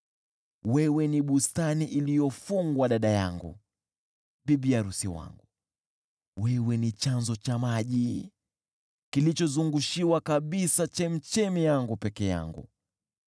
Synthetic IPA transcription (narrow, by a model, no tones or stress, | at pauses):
wɛwɛniɓustaniʔilijɔfuŋɡwaɗaɗaja̰ŋɡṵ | ɓiɓijaɾusiwa̰ŋɡu | wɛwɛnit͡ʃanzɔt͡ʃamaʄi | kilit͡ʃɔzuŋɡuʃiwakaɓisat͡ʃɛm̩t͡ʃɛmijaŋɡupɛkɛja̰ŋɡṵ